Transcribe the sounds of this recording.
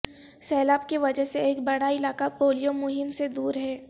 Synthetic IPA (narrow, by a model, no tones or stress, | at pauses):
sɛːlaːb̚kiʋɐd͡ʒəɦseeːkbɐɽaɪlaːkapoːlijomʊɦɪmsed̪uːɾɦɛː